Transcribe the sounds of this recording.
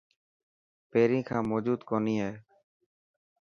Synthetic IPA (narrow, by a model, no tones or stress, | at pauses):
peɾĩːkʰãːmɔd͡ʒuːd̪kɔniɦaː